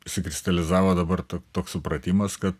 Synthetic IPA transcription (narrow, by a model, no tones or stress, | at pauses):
ʃʲsʲɪkɾʲɪst̪ɐlʲɪzɑːʋoːd̪ɐbɐrt̪oːt̪oːkssʊpɾɐt̪ʲiːmɐskɐt̪